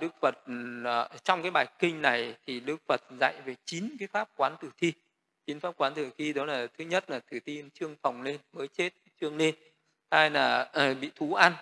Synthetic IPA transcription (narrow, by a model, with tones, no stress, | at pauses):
ɗɨ˦˥ək̚fə˨˩t̚ːt͡ɕɔ˧wŋ͡mkaː˨˦jɓaː˨˩jkï˧ŋ̟na˨˩jt̪ʰi˨˩ɗɨ˦˥ək̚fə˨˩t̚za̰˧˨jve˨˩t͡ɕi˨˦nkaː˨˦jfaː˦˥p̚kwaː˨˦nt̪ɨ˨˩t̪ʰi˧ | t͡ɕi˨˦nfaː˦˥p̚kwaː˨˦nt̪ɨ˨˩t̪ʰi˧ɗɔ˨˦laː˨˩t̪ʰɨ˨˦ɲə˦˥t̚laː˨˩t̪ʰɨ˨˩t̪i˧nt͡ɕɨ˧əŋfa˨˩wŋ͡mle˧nməː˨˦jt͡ɕe˦˥t̚t͡ɕɨ˧əŋle˧n | haː˧jlaː˨˩˧ɓḭ˧˨t̪ʰu˨˦ʔa˧n